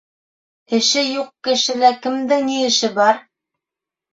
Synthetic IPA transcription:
ɘ̆ʃɘjuqkɘ̆ʃɘ̆lækɘ̆md̪ɘŋniɘ̆ʃɘbɑɾ

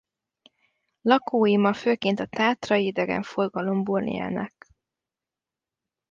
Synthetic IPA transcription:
lɒkʰoːjimɒføːkeːnt̪ɒt̪aːt̪rɒjid̪ɛɡɛ̰ɱforɡɒlo̞mburnḭɛ̰nɛ̰k

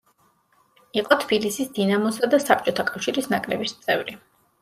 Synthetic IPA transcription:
iqʼɔt̪ʰb̥ilisisd̪inamɔsad̪asap̚t͡ʃʼɔt̪ʰakʼafʃiɾisnakʼɾɛbist̪sʼɛvɾi

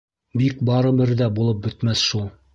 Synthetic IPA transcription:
bik̚bɑɾɤ̆bɘ̆ɾðæbulˠɤp̚bɵ̆t̪mæsʃulˠ

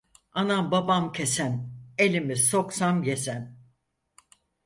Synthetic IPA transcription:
anambabamcʰesæne̞lʲimisoksamje̞sæn

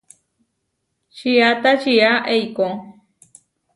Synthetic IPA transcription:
ʃiat̪aʃiaʔejko

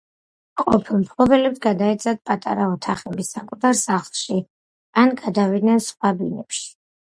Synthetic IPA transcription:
qʼɔpʰilˠmpʰlˠɔbɛlɛpsʰɡad̪aɛt̪sʰʼad̪̚pʼat̪ʼa̰ɾaɔt̪ʰaχɛbisakʼut̪ʰaɾsaχlˠʃi | anɡad̪avid̪nɛnsχwabinɛpʃi̥

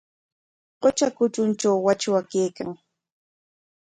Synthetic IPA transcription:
qot͡ʃakʊt͡ʃʊnt͡ʃawːat͡ʃwakeːkaŋ

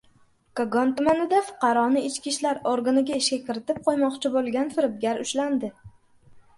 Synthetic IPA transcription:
kaɡɒnt̪ʊmanɪd̪afʊ̥qɑɾɒnɪɪt͡ʃkʲiʃlaɾoɾɡanɪɡʲaɪʃkʲakʲɪɾɪt̪ɪp̚qʰojmɒqt͡ʃʰɪbolˠɡʲanfɪɾɪb̚ɡʲaɾʊʃland̪ɪ

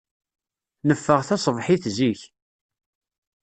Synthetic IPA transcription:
nəfːəʁθæsˤəvħiθziç

